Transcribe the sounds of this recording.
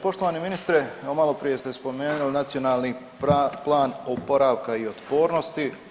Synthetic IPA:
po̞ʃt̪o̞ʋaːniminist̪ɾeomalˠo̞pɾije̞st̪e̞spo̞me̞ːnulnat̪sio̞naːlˠni | plˠaːnopo̞ɾaːʋkaio̞t̪po̞ːɾno̞st̪i

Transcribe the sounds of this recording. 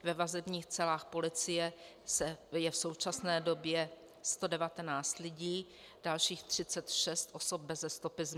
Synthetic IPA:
vɛvazɛbɲiːxt͡sɛlaːxpo̞lɪt͡sɪjɛ | sɛjɛfsowt͡ʃasnɛːdo̞bjɛ | st̪o̞dɛvat̪ɛnaːt͡st̪lɪɟiː | d̥alʃiːxt̪r̝̥ɪt͡sɛt̪ʃɛst̪ʔo̞sop̚bɛzɛst̪o̞pɪzm

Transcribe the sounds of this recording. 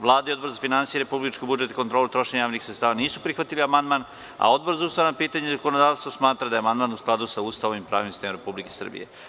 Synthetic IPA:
ʋlˠaːd̪aio̞d̪boɾzafinansijeɾepublit͡ʃkobud͡ʒet̪e̥kot̪ɾo̞ːlet̪ɾo̞ʃeɲajaːʋnixsɾet̪t̪aːʋaniːsupɾixʋat̪iliamand̪man | a̰o̞d̪̚bo̞ɾzauːst̪aʋanapiːt̪aɲezakonod̪aːʋst̪ʋosmaːt̪ɾad̪ajeamand̪maːnusklˠad̪usauːst̪aʋoimpɾa̰ːʋimsi̥st̪emɾepublike̞sə̰r̩bḭjḛ

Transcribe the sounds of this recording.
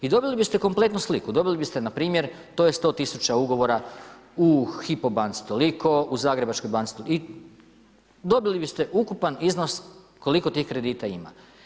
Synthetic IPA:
id̪o̞bilibist̪e̞ko̞mple̞t̪nuslikud̪o̞bilibist̪enapɾiːmje̞ɾ | t̪o̞ːje̞st̪o̞ːt̪isut͡ʃauɡo̞ʋo̞ɾa | uxipo̞bant̪si̥t̪o̞liko̞uzaːɡɾe̞bat͡ʃkojbant̪i̥t̪oli | d̪o̞bilibist̪e̞ʔukupanizno̞s | ko̞liko̞t̪iːxkɾe̞d̪iːt̪aima̰

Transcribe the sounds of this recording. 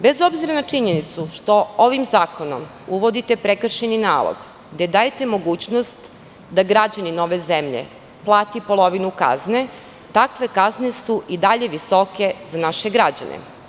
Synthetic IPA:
be̞zo̞bziɾanat͡ʂiɲenit̪suʃt̪o̞oʋimzaːko̞nom | uʋo̞d̪it̪e̞pɾekr̩ʃeninaːlˠo̰ɡ | ɡd̪ed̪ajet̪e̞mo̞ɡuːt͡ɕnost̪ | d̪aɡɾad͡ʑanino̞ʋe̞zemʎḛ | plˠaːt̪ipolˠo̞ʋinuka̰zne̞ | t̪akʋe̞kazne̞suʔid̪aʎeʋiso̞ke̞zanaʃeɡɾad͡ʑa̰nḛ

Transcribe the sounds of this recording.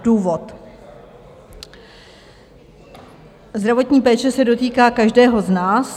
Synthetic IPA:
duːvo̞t̪ | zd̪ɾavo̞t̪ɲiːpɛːt͡ʃɛsɛdo̞t̪iːkaːkaʒdɛːɦo̞znaːs

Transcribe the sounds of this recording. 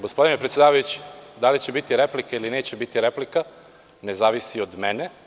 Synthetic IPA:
ɡo̞spo̞d̪inepɾet̪sjed̪aːʋajut͡ɕi̥d̪alit͡ɕebit̪iɾeplikailineːt͡ɕebit̪iɾeplika | ne̞zaːʋisiod̪mene

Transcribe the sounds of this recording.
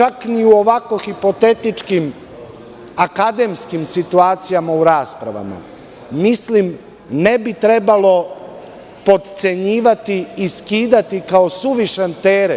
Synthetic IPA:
t͡ʃakniuo̞ʋako̞xipo̞t̪e̞t̪it͡ʃkim | akad̪e̞mskimsit̪uaːt̪sijamauɾaːspɾa̰ʋa̰ma̰ | mislim | nebit̪ɾe̞balo̞ | po̞d̪t̪se̞ɲiːʋat̪iiskiːd̪at̪ikao̞suʋiʃent̪eːɾe

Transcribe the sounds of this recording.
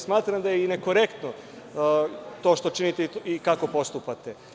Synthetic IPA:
smaːt̪ɾamd̪ajeineko̞ɾe̞kt̪no | t̪o̞ːʃt̪o̞t͡ʃinit̪eiikako̞po̞st̪upat̪e

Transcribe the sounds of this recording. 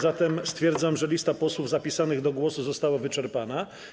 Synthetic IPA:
zat̪ɛmst̪fʲjɛɾd̪zamʐɛlʲist̪apɔswuvzapʲisanɘɣd̪ɔɡwɔsuzɔst̪awavɘt͡ʂɛɾpana

